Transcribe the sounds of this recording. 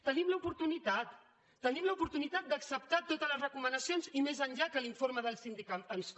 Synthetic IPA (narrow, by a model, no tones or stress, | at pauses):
t̪ənimləupuɾt̪unit̪at̪ː | ənimləupuɾt̪unit̪at̪̚d̪əksəp̚t̪at̪ot̪ələzrəkumənəsijonzimezənʲʎakəliɱfoɾməðəlˠsind̪ikat̪əβisk